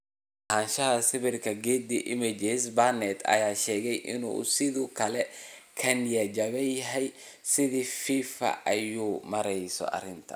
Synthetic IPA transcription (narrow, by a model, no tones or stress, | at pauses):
hanʃɐhɐsɪβɪrkʰɐɡɛːd̪iʔɪmɛd͡ʒɛsbɐnɛt̪ʰɐ̰jaːʃɛːɣɛjʔɪnṵːsɪðukʰɐlɛkʰɐnjɐd͡ʒɐβɛjɦɛj | sɪðifiːfɐ̰ʔɐjuːmɐɾɛjsɔ̰ʔɐ̰ɾɪnt̪ʰɐ̥̰